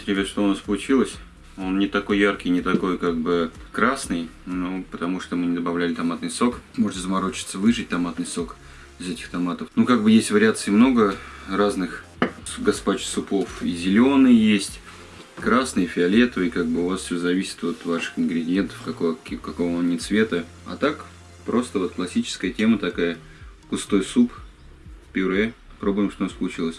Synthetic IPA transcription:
t̪ɾʲɪvʲeʂt̪oʊnaspəlˠʊt͡ɕilˠəsʲ | o̞nnʲɪt̪ɐko̞jːarkʲɪjnʲɪt̪ɐko̞jkaɡ̚bɨkɾasnɨjnupət̪ɐmuʂt̪omɨnʲɪd̪əbɐvlʲælʲɪt̪ɐmat̪̚nɨjso̞kmo̞ʐɨt̪ʲɪzəmɐɾo̞t͡ɕɪ̥t̪səvɨʐɨt̚ʲt̪ɐmat̪nɨjso̞k | ɪzɛtʲɪ̥xt̪ɐmat̪əfnukaɡ̚bɨjesʲtʲvəɾʲɪat̪sɨɪmno̞ɡəraznɨx | ɡɐspat͡ɕsʊpo̞fizʲɪlʲo̞nɨjjesʲtʲ | kɾasnɨjəfʲɪɐlʲe̞t̪vɨkaɡ̚bɨʊvasfsʲozɐvʲisʲɪ̥t̪vo̞t̪vaʂɨ̥xɪnɡɾʲɪdʲɪjent̪ə̥fkɐkokɐko̞vənʲɪt̪svʲe̞t̪ə | ɐ̰t̪ak | pɾo̞st̪əvo̞t̪̚klˠɐsʲit͡ɕɪ̥skəjətʲemət̪ɐkajə | kʊst̪o̞jsup | pʲɪɾɛpɾo̞bʊjɪmʂt̪onasʲpəlˠʊt͡ɕilˠəsʲ

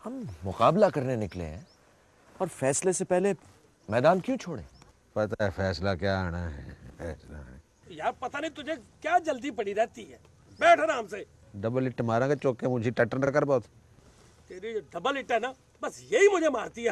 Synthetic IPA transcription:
hɐmːʊqaːblakɐɾnenɪklḛ̃ɦɛ̰̃ | ɔːɾfɛːslesepɛɦle | mɛːd̪aːnkjũːt͡ʃʰoːɽḛ̃ː | pɐt̪aɦɛfʰɛːslakjaːaːɽ̃aːɦɛ̰ːfɛːsla̰ːnḛ | jaːɾpɐt̪aːnəĩt̪ʊd͡ʒʱekjaːd͡ʒəld̪ipɐɽiɾɛːt̪iɦɛː | bɛːʈʰaːnamseː | ɖəbəlɪʈːmaːɾãːket͡ʃoːkːemʊ̃d͡ʒʱiʈəʈːənəɾkəɾbɔːt̪ʰ | t̪eːɾid͡ʒoɖɐbəlɪʈɦɛnaː | bɐsjeimʊd͡ʒʱemaːɾt̪iɦɛː

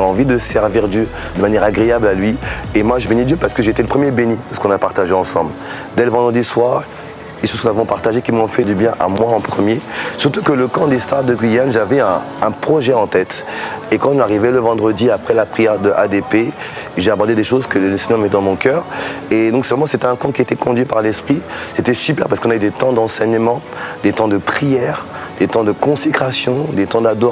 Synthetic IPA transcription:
ɑ̃vid̪əsɛʁviʁd̪jø | d̪əmanjɛʁaɡʁeablalɥiemwaʒəbenid̪jøpaʁsə̥kəʒeet̪eləpχəmjebenid̪əsə̥kɔ̃napaʁt̪aʒeɑ̃sɑ̃bl | d̪ɛləvɑ̃d̪ʁəd̪iswaʁ | d̪eʃoz̥knzavɔ̃paʁt̪aʒekʲimɔ̃fɛd̪ybjɛ̃ʔa̰mwaɑ̃pχəmjesyʁt̪ukələkɑ̃d̪est̪aʁd̪əɡɥijanʒavɛɛ̃ː | pχɔʒɛɑ̃t̪ɛt̪ekɑ̃aʁivɛləvɑ̃d̪ʁəd̪iapχɛlapχijɛʁd̪əʔad̪epe | ʒeabɔʁd̪ed̪eʃozkəlɛ̃sɛɲɑ̃mɛt̪ɛd̪ɑ̃mɔ̃kœːʁed̪ɔ̃ksɛvʁɛmɑ̃set̪ɛɛ̃kɔ̃kʲiet̪ɛkɔ̃d̪ɥipaʁlɛspχiset̪ɛsypɛʁpasəkɔ̃nayd̪et̪ɑ̃d̪ɑ̃sɛɲəmɑ̃ | d̪et̪ɑ̃d̪əpχijɛʁ | d̪̥et̪ɑ̃d̪əkɔ̃sekχasjɔ̃d̪et̪ɑ̃d̪ad̪ɔ

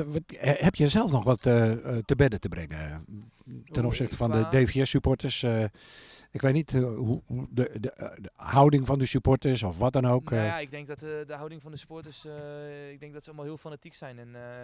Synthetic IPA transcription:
ʋɔthɛpjəsɛlˠsnɔxʋɔttːəbɛdətəbrɪŋə | tɛnɔpsɪxtə̥fɔndədeːfjɛsypɔtəs | ɪkʋeːtnithudədəhawdɪŋfɔndəsyportəsɔfʋɔt̚dɔnoːkʰɪɡ̚dɛŋk̚dɔtədəhawdɪŋfɔndəsy̥poɹtəsɪɡ̚dɪŋk̚dɔtsəomalˠhiəlˠfanatiksɛjnɛn

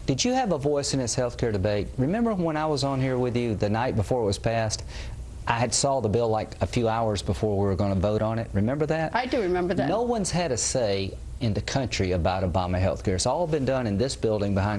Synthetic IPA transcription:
d̥ɨd͡ʒɨːvəvɔɪsɨ̃nɨshɛlˠθkʰɛɹdɨbeɪt̚ɹɨmɛ̃mbə˞wə̃ñaɪwʌzn̩hiɹwɪðjɨðɨnaɪt̚b̥əfɔɹət̚wʌz̥pʰæst | ʔaɪɨd̥sɔðəbɪlˠaɪkɨfjʉaʊə˞zbəfɔɹwiwə˞ɡʌ̃nɨvoʊɾn̩ɪt̚ɹɨmɛ̃mbə˞ðæt̚aɪdɨɹɨmɛ̃mbə˞ðnnoʊwʌ̃nz̥ɨdɾɨseɪ | ɨ̃nðɨkʰʌ̃nt͡ʃɹ̥iɨbaʊɾoʊbɑmɨɦɛ̰lˠθkʰɛɹɨtsɔlˠbɨ̃ndʌ̃nɨ̃nðɪsb̥ɪlˠdɪ̃ŋbɨhãɪ̃n

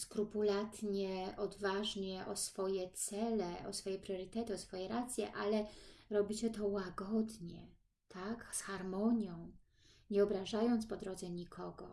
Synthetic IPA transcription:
skɾupulat̪ɲɛɔd̪vaʐɲɛʔɔsfɔjɛt̪sɛlɛɔ̰sfɔjɛpɾɔɾɘt̪ɛt̪ɨɔsfɔjɛɾat̪sʲjɛ̰ʔalɛɾɔbʲit͡ɕɛt̪ɔwaɡɔd̪ɲɛ̰ | t̪ʰaksxaɾmɔɲjɔ̃w̃ | ɲɛɔbɾaʐajɔnt̪spɔd̪ɾɔd̪zɛɲikʰɔɡɔ

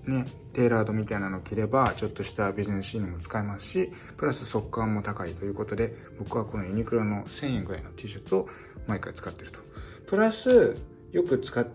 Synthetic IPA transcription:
ne̞ | t̪e̞ːɾaːd̪o̞mʲit̪ainano̞ːkʲiɾe̞bat͡ɕo̞t̪ːo̞ɕi̥t̪abʲiʑine̞sɨɕiːnɯ̟mo̞t͡sɨ̥kaimasɨ̥ɕi | pɯɾasɨso̞kːãmːo̞t̪akait̪o̞jɯ̟ːko̞t̪o̞d̪e̞ | b̥o̞kɯ̟βako̞no̞iɲ̟ikɯ̟ɾono̞sẽ̞ɰ̃ẽ̞ŋɡɯ̟ɾa̰ino̞t̪ʰeːɕot͡sɨo̞ | maikait͡sɨ̥kat̪ːe̞ɾɯ̟t̪o̥ | pɯ̟ɾasɨ | jo̞kɯ̟t͡sɨ̥kat̪ː

